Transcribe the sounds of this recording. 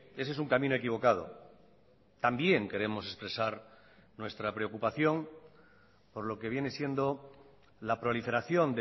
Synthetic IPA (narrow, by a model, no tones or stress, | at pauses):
e̞se̞suŋkamĩno̞e̞kiβ̞o̞kað̞o̞̰ | t̪ambje̞ŋke̞ɾe̞mo̞se̞spɾe̞saɾ | nwe̞st̪ɾapɾe̞okupaθjo̞ŋ | po̞ɾlo̞ke̞βje̞ne̞sje̞nd̪o̞ | lapɾo̞life̞ɾaθjo̞nd̪